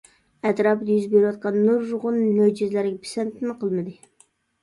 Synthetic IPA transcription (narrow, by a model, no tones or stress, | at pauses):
ɛt̪ɾɑpjyzbeɾɪwɑt̪̚qʰɑnːuɾːʊʁʊnmød͡ʒizlæɾɡʲɛpʰi̥sɛnt̪ʰɪnɪqəlˠmɨd̪ɨ